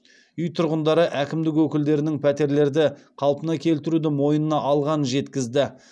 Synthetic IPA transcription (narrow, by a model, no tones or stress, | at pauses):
ʏjt̪ʰʊɾʁənd̪ɑɾəʔækʲɪmd̪ɪkwɵkʲɪld̪e̞ɾɪnɪŋpʰæt̪e̞ɾle̞ɾd̪ɪqʰɑlˠpənɑkʲʰe̞lt̪ɪɾud̪ɪmo̞jənənɑʔɑlˠʁɑnənʒe̞t̪kʲɪzd̪ɪ